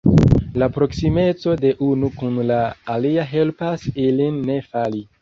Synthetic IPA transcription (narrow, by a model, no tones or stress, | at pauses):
lapɾo̞ksime̞t͡so̞de̞ʔunukunlaːliaɦe̞lpasilinːe̞fali